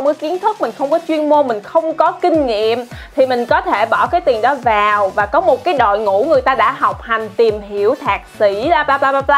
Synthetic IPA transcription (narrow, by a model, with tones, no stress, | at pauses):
wŋ͡mkə˨˦ki˨˦ənt̪ʰɨ˦˥k̚m˨˩ŋ̟xə˧wŋ͡mkɔ˨˦t͡ɕwi˧ənmo˧mï˨˩ŋ̟xə˧wŋ͡mkɔ˨˦kï˧ŋ̟ŋḭ˧˨əmt̪ʰi˨˩mï˨˩ŋ̟kɔ˨˦t̪ʰe˧˩ɓɔ˧˩kaː˨˦jt̪i˨˩ənɗɔ˨˦vaː˨˩wvaː˨˩kɔ˨˦mo˨˩t̚kaː˨˦jɗo̰˧˨jŋṵ˧˥ŋɨ˨˩əjt̪aː˧ɗa̰ː˧˥ɦa˨˩wk͡p̚ha˨˩jŋ̟t̪i˨˩mhi˧˥əwt̪ʰaː˨˩k̚si˧˩ɗaː˧aː˧paː˧a˧a˧